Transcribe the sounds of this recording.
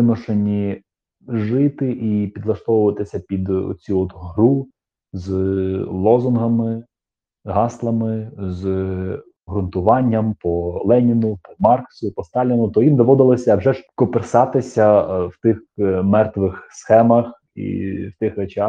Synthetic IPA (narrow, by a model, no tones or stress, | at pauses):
ɪmɔʃenʲi | ʒɪt̪ɪʔipʲid̪lˠɐʃt̪ɔʋʊʋɐt̪ɪsʲɐpʲid̪̰t͡sʲuɔt̪ɦɾu | zlˠɔzʊnɦɐmɪ | ɦɑslˠɐmɪz | ɦɾʊnt̪ʊʋɑnʲːɐmpɔlˠɛnʲinʊpɔmɑrksʊpɔst̪ɑlʲinʊt̪ɔʋʲind̪ɔʋɔd̪ɪlˠɔsʲɐwʒɛʒkɔpersɑt̪ɪsʲɐwt̪ɪxmɛrt̪ʋɪxsxɛmɐx | ḭwt̪ɪxɛt͡ʃɑ